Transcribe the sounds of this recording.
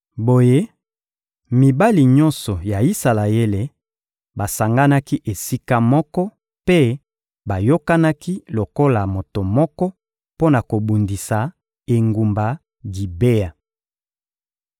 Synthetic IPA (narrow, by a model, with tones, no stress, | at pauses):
bo˨je˦ | mi˨ba˦li˨ɲɔ˦nsɔ˨ja˨i˦sa˨la˨e˦le˨ | ba˨sa˨ŋɡa˦na˦ki˦ʔe˨si˦ka˦mɔ˦kɔ˦ | pe˦ | ba˨jo˦ka˦na˦ki˦lo˨ko˦la˨mo˨to˨mɔ˦kɔ˦ | po˦na˨ko˨bu˨ndi˨sa˨ | e˨ŋɡu˨mba˨ | ɡi˨be˦a˨